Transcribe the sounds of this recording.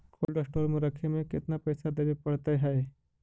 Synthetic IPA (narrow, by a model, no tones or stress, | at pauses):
kʰolʈəsʈoɾmuɾəkʰːemeket̪napəjsad̪əʋipəɽt̪ajɦaj